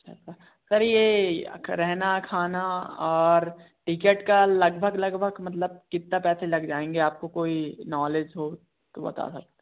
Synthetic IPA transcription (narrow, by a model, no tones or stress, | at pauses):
t͡ʃʰa̰t͡ʃʰa | sɐɾje | ɾɛɦnakʰaːnaɔːɾ | ʈɪkeʈkalɐɡbʱəɡlɐɡbʱəɡmɐt̪̬ləb̚kɪt̪ːapɛːselɐɡd͡ʒaːẽːŋɡeaːp̚kokoːinɔːleːd͡ʒɦo | t̪obɐ̰t̪a̰sɐk̚t̪e̥